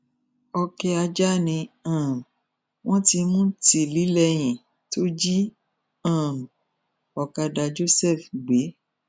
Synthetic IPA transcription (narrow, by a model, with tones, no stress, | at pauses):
ɔ˧kɛ˧a˧d͡ʒa˦nĩ˧ãː˦˨ | w̃ʔɔ̃˦ti˧mũ˦ti˨li˨˦lɛ˧j̃ĩ˨ | to˦d͡ʒi˦ | ã˦˨ | ɔ˨ka˧da˧d͡ʒo˦sɛ˦˨fɡ͡be˨˦